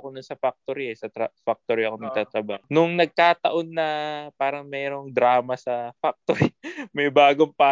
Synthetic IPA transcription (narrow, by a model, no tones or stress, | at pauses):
konʊnsɐfak̚t̪oɾiɛsɐt̪ɾɐfak̚t̪oɾɪɐkonɐɡ̚t̪aːt̪ɾɐbaːhonʊŋnɐɡ̚kaːt̪ɐʔo̞nːɐpaːɾɐŋmɛːɾo̞ŋd̪ɾaːmɐsɐfak̚t̪oɾɪmɐjbaːɡoŋpaː